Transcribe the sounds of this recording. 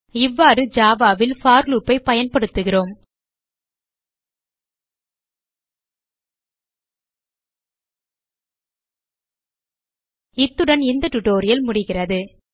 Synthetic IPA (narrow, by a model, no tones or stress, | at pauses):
ɪʋːaːɾɯd͡ʒaːʋaːʋɪlfaːɾluːpːɐɪpɐjɐnpɐɽɯt̪ːɯɣɪroːm | ɪt̪ːɯɽɐnɪnd̪ɐʈʊʈːoːɾɪjɐlmʊɽɪɣɪrɐðɯ